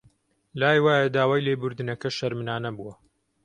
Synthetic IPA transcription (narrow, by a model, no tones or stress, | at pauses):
laːjwaːjɐd̪aːwaːjleːbʊɾd̪ɨnɐkɐʃɐɾmɨnaːnɐbuwɐ